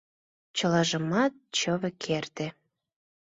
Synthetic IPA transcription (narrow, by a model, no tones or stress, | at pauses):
t͡ɕəlɑʒəmɑt̪̚t͡ɕəβĕkʰert̪e